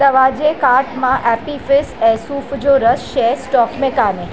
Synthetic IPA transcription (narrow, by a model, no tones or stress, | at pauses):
əʋad͡ʒekaɾʈmãʔɛpifɪsɛsufʰd͡ʒoɾəsʃesʈɔkmekane